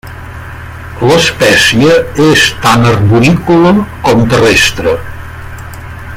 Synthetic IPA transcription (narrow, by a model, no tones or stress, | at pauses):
ləspɛsiəest̪anərβuɾikuləkɔmt̪ərest̪ɾə